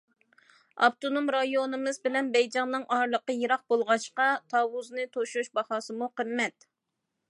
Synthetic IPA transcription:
ɑ̰pt̪onomɾɑjonɨmɨzbɪlɛnbɛjd͡ʒɑŋnːɨŋʔɑɾlˠəqəjeɾɑq̚bolˠʁɑʃqɑt̪ʰɑːwuznɨt̪ʰoʃuʃbɑhɑːsɨmuqʰəmːɛt̪

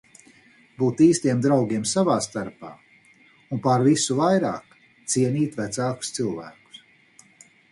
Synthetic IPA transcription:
buːt̪iːst̪iɛmd̪ɾawɡʲiɛmsavaːst̪aɾpa̰ː | unpaɾvisuvajɾa̰ːk | t̪siɛnʲiːt̪væt̪saːku̥st̪silˠvæ̰ːku̥s

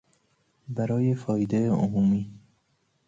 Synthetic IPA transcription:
bæɾɒːje̞fɒːjed̪eomuːmiː

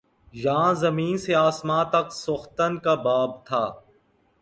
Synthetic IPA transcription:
jãːzɐmiːnseaːsmãːt̪ɐksʊxt̪ənkabaːb̚t̪ʰaː

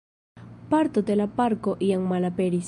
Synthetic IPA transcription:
paɾt̪ot̪elapaɾkoʔiaŋmalapeɾis

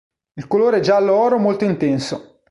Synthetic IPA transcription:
ilkoloːɾeɛd͡ʒaːlːoɔːɾomolt̪oint̪ɛnso

